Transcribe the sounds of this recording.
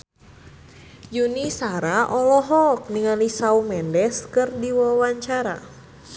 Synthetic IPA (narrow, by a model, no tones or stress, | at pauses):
junisaɾaʔɔlɔɦɔk̚niŋalisaumɛndɛskɨrdiwɔwaɲt͡ʃaɾa̰